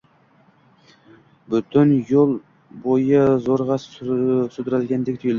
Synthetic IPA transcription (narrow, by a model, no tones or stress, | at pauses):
bʊt̪ʰɪnjolˠ | bojɪzoɾʁɑssʊd̪ɾalɡʲand̪ɪk̚ʲt̪ʰʊjɪld̪ɪ